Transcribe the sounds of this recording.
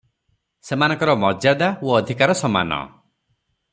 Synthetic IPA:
semanɔ̃ŋkɔɾɔmɔd͡ʒad̪aoɔd̪ʱikaɾɔsɔma̰nɔ̰

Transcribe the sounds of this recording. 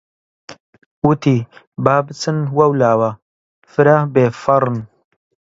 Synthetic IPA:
wut̪i | baːbɨt͡sɨnwɐwlaːwɐ | fɨɾabeːfɐɾˤɨn

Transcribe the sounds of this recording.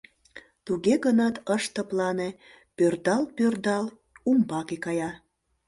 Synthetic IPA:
t̪uɣeɣənɑt̪əʃt̪əplɑne | pørd̪ɑlpørd̪ɑl | umbɑkekɑjɑ

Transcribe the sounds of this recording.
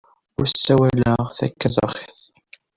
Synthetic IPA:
ʊɾsːæwæləʁθæ̰kːæzˤɑ̰χe̥θ

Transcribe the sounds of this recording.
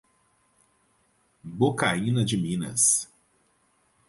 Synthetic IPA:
bokaĩnɐd͡ʒɪmĩnɐ̰s

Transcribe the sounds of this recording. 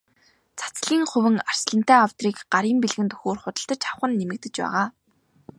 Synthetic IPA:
t͡sʰḁt͡sɮiːŋχɵwɘ̆ŋar̥sɮə̆n̥t̪æːaw̥t̪riːkɢaɾiːmpiɮɣɘ̆nt̪ɵ̥xoːrχʊt̪ə̆ɬt̪ə̆t͡ɕaw̆χə̆nːemɘ̆k̚t̪ɘ̆t͡ɕpæ̰ːʁaː

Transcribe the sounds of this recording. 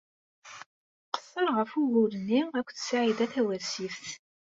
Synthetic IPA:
qə̥sːəɾʁəfuɣulənːiækʷːθsaʕiðæθæwæɾsifθ

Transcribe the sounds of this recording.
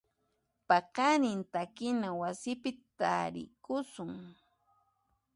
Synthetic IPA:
pɑqɑnɪnt̪akɪnawasɪpɪt̪a̰ɾɪ̰kʊsʊŋ

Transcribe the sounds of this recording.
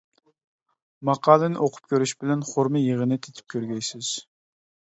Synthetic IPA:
mɑqʰɑːlˠɨnɪʔoqʰʊ̥p̚kʲøɾyʃbɪlɛnχoɾmɨjeʁənɨt̪ʰe̥t̪ʰɪ̥p̚kʲʰøɾɡʲɛjsɪz̥

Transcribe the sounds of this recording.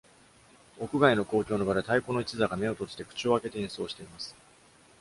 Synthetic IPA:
o̞kɯ̟ɡaino̞ko̞ːkʲo̞ːno̞bad̪et̪aiko̞no̞it͡ɕizaɡame̞o̞t̪o̞t͡sɨ̥t̪ekɯ̟̥t͡ɕio̞ake̞t̪e̞ĩɰ̃so̞ːɕi̥t̪e̞imasɨ̥

